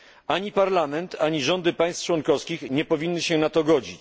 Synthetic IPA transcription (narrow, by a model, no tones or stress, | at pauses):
aɲipaɾlamɛnt̪aɲiʐɔnd̪ɘpaj̃st̪ft͡ʂwɔnkɔfskʲixɲɛpɔvʲinːɘɕɛnat̪ɔɡɔd͡ʑit͡ɕ